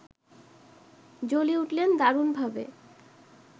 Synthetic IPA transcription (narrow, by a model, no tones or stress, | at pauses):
d͡ʑoliuʈlend̪aɾunbʱabḛ